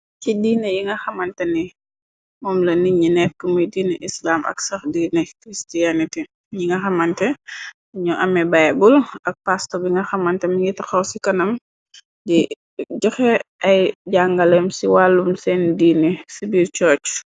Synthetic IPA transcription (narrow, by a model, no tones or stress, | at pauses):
cidiːnɛjiŋɡɐxɐmɐntɐni | mɔːmlɐniɲinɛːf̚kimujdiːniʔislaːmɐ̰ksɐxdiːnikɾistijaniti | ɲiŋɡɐxɐmɐntɛ | ɲɔʔɐmɛbajbulɐk̚pastɔbiŋɡɐxɐmɐntɛmiŋɡitɐxɐwsikɐnɐm | di | ɟɔxɛɐjɟaŋɡɐlɛmsiwaːlːumsɛndiːnisibiːɾt͡ʃɔːt͡ʃ